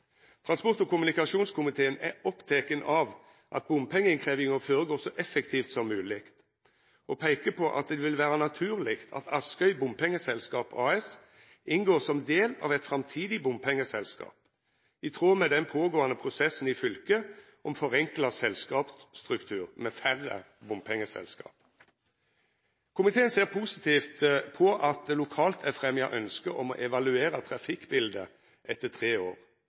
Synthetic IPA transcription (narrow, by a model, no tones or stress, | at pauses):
t̪ʰʁɑnspɔʁt̪ɔkʊmʉnɪkɑʂuːnskʰʊmɪt̪ʰeːənæɔpt̪ʰɛkənɑʋ | ʔɑt̪̚bʊmpʰɛŋːəɪŋkʰʁeːʋɪŋəfoːɾəɡoːsɔʔɛfəkt̪ʰiːft̪sɔmːʉːlɪkt̪ | ʔɔpʰæɪkəpʰɔʔɑ̰t̪̚d̪ɛʋɪlʋæːʁənɑt̪ʰʉːʁlɪkt̪ʰɑ̰t̪ʰɑskœʏbʊmpʰɛŋːəsɛlskɑːpʰɑ̰ːɛs | ɪnɡoːʁsɔmd̪eːlɑ̰ːʋɛt̪fʁɑmt̪ʰiːd̪ɪbʊmpʰɛŋːəsɛlskɑ̰ːp | ɪt̪ʰʁoːmɛd̪ɛnpʰoːɡoːɑnəpʰʁʊsɛsːn̩ɪfʏlkə | ʔɔmfɔʁɛŋklɑsɛlskɑːpst̪ʁʉkt̪ʰʉːʁmɛfæʁə̰ | bʊmpʰɛŋːəsɛ̰lskɑ̰ːp | kʰʊmɪt̪ʰeːənseːʁpʰuːsɪt̪ʰiːft̪pʰɔʔɑt̪̚d̪ɛlʊkʰɑːlt̪ʰɛfʁɛmjɑ̰ʔœnskəʔɔmɔ̰ʔɛʋɑlʉeːɾət̪ʰɾɑfɪkːbɪld̪ə | ʔɛt̪ːət̪ʰʁeːoːʁ